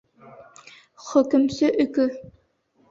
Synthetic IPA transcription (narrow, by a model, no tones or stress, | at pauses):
χɵ̆kɵ̆msɵʔɵ̆kɵ